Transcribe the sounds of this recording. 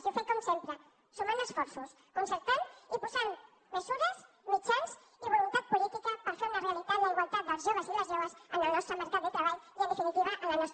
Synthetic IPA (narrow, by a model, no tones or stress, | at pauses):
sifekɔmsempɾə | sumanəsfɔɾsus | kunsəɾt̪anipuzamː | əzuɾəz | mit͡ʃanz | iβulunt̪at̪̚pulit̪ikəpəɾfeɾunəreəlit̪aɾləiβəlˠt̪at̪̚d̪əlzʒɔβəziləzʒɔβəzənəlˠnɔst̪ɾəməɾkat̪̚d̪ət̪ɾəβaliənəfinit̪iβəʔənlənɔst̪